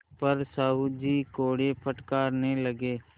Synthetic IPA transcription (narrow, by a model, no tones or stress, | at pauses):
pəɾsaːɦud͡ʒiːkoːɽepʰəʈkaːɾneləɡeː